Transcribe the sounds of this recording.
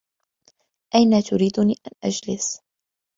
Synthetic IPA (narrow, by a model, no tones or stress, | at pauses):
ʔajnaːt̪ʊɾiːd̪ʊniːʔanʔa̰d͡ʒlɪs